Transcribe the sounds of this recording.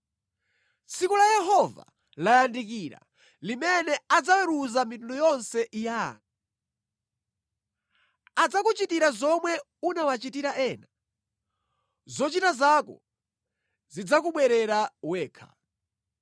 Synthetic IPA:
t͡sʰikulajɛɦɔva̰ | lajandik̬iɾa̰ | limɛnɛad͡zawɛɾuzamitundɔjɔnsɛʔijaŋa | ad͡zakut͡ʃitiɾazɔmwɛ | unawat͡ʃitiɾaʔɛːna | zɔt͡ʃitazakɔ̰ | zid͡zakuɓwɛɾɛɾawɛːkʰḁ̰

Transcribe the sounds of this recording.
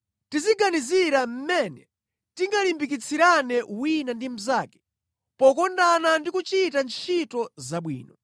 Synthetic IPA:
tiziɡaniziɾam̩mɛnɛ | tiŋɡalimbik̬it͡sʰiɾanɛʔwinandim̩zaːkɛ̥ | pɔkɔndanandikut͡ʃitant͡ʃʰitɔzaɓwḭːnɔ

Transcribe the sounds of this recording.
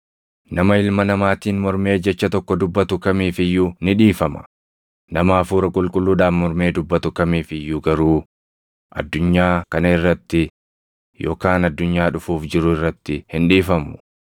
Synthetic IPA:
nɐmɐɪlmɐnɐmaːt̪iːnmɔɾme̞ːd͡ʒɛt͡ʃːɐt̪ɔkːɔd̪ʊbːɐt̪ʊkɐmiːfɪjːʊnɪᶑiːfɐmɐ̥ | nɐmaːfuːɾɐkʼʊlkʼʊlːuːᶑaːfmɔɾme̞ːd̪ʊbːɐt̪ʊkɐmiːfɪjːʊɡɐɾuː | ʔɐ̰d̪ːʊɲːaːkɐnɐɪrːɐt̪ːɪ | jo̞̰ːkaːnɐd̪ːʊɲːaːᶑʊfuːfd͡ʒɪɾʊɪrːɐt̪ːɪhɪnᶑiːfɐmʊ̥

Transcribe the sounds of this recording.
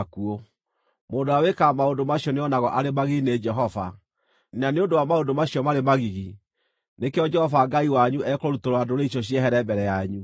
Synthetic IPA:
kuo | mondoawekamaondomaɕjɔneɔnaɣɔʔaɾemaɣiɣined͡ʒɛɦɔva̰ | naneondowamaodomaɕiɔmaɾemaɣiɣi | nekeɔd͡ʒɛhɔfaɡaiwaɲuʔɛkoɾutoɾwadoɾeiɕɔɕ̬iɛɦɛɾɛbɛɾɛjaɲu

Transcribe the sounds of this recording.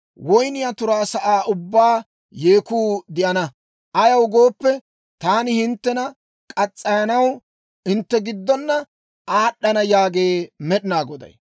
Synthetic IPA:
wɔjnɪjɐt̪ʊɾaːsɐʔaːʔʊbːaː | jeːkuːd̪ɪʔɐnɐ | ʔɐjɐwɡo̞ːpːɛ | t̪aːnɪhɪnt̪ːɛnɐ | kʼɐt͡sʼːɐjɐnɐw | ɪnt̪ːɛɡɪd̪ːɔnːɐ | ʔaːɗːɐnɐjaːɡe̞ːmɛɗɪnaːɡɔd̪ɐ̰j

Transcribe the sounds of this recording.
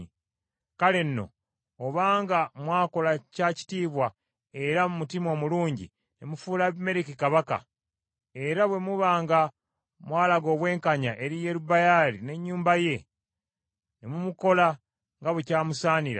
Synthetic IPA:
kale̞nːo̰ | oβaːŋɡamwaːko̞lacaːci̥tiːβwa | e̞ɾamumutimo̞ːmuluːɲɟḭ | nemufuːlame̞ɾikikaβaka̰ | eɾaβwe̞muβaːŋɡa | mwaːlaɡo̞ːβwe̞ːŋkaɲaʔe̞ɾije̞ɾubajaɾine̞ɲːuːmbaje̞ | nemumuko̞la | ŋɡaβwecaːmusaːniɾa̰

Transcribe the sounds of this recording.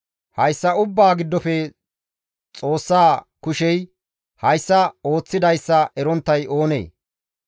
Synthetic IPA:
hɐjsːɐʊbːaːɡɪd̪ːɔfɛ | t͡sʼo̞ːsːaː | kʊʃɛj | hɐjsːɐo̞ːt͡sːɪd̪ɐjsːɐʔɛɾɔnt̪ːɐjo̞ːnḛː

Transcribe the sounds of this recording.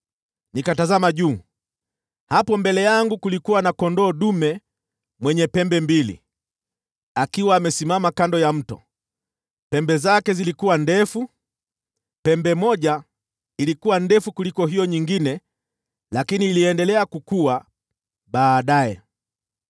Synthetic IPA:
nikatazamaʄuː | hapɔmbɛlɛjaŋɡukulikuwanakɔndɔːɗumɛ | mwɛɲɛpɛmbɛmbilḭ | akiwaːmɛsimamakandɔjam̩tɔ̰ | pɛmbɛzakɛzilikuwandɛfu | pɛmbɛmɔʄa | ilikuwandɛfukulikɔɦijɔɲiŋɡinɛ | lakiniːliɛndɛlɛakukuwa | ɓaːɗajɛ̰

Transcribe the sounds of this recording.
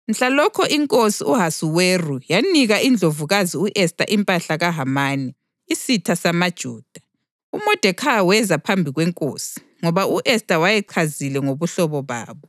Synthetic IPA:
n̩ɬalɔkʰɔʔiŋkʼosiuɦasuwerujaniɣaʔind͡ɮʱovuɣaziuʔɛstʼa̰ʔimpʼaɬaɣaɦamaniː | sitʰasamad̥ʒ̥ʱuːd̥ʱḁ | umɔd̥ʱɛkʰawɛzapʰambʱiɣwɛŋkʼo̰ːsi̥ | ŋɔβauʔɛstʼawajɛǃʰazilɛŋoβuɬɔβɔβa̰ːβɔ

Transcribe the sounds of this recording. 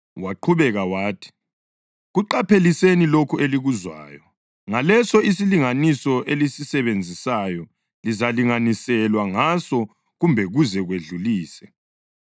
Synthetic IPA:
waǃʰuβɛɣawaːtʰi̥ | ɣuǃapʰelisenilokʰuʔeliɣuzwaːjɔ | ŋalɛsɔisiliŋanisɔʔelisisɛβend͡zʱisajɔ | lizaliŋanisɛlwaŋasɔ | ɣumbʱɛɣuzɛɣweɮuliːsɛ

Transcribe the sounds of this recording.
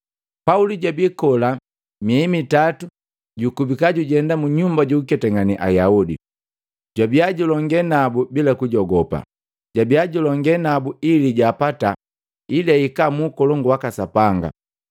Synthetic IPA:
pauliɟabikɔla | mimitatu | ɟukubikaɟuɟɛndamuɲumbaɟukɛtɛŋɡaniʔa̰jaudḭ | ɟwabiaɟulɔŋɡɛnabubilakuɟɔɡɔpa̰ | ɟabiaɟulɔŋɡɛnabuiliɟaːpata | ilaikamukɔlɔŋɡwakasapaŋɡa̰

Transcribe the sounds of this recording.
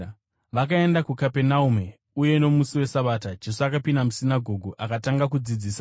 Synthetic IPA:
ʋakae̞ndakukape̞naume | uje̞no̞musiwe̞saɓatad͡ʒe̞soakapindamusinaɡʱo̞ɡʱoʔakataŋɡakud͡zid͡ziːsa

